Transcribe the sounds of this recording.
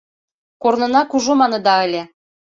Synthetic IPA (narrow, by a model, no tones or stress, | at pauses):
kornɤ̆nɑkuʒomɑnɤ̆d̪ɑə̆lʲĕ